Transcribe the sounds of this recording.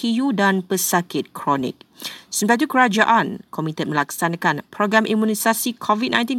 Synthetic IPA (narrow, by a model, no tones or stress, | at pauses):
ijudanpəsakɪt̪̚kʰɾɔnḭk̚səmpatit̪ukəɾad͡ʒaʔankɔmĩt̪ət̪̚mə̃lak̚sanãkanpɾɔɡɾamʔimũnisasikʰɔvit̚nʔã̰jnt̪̬in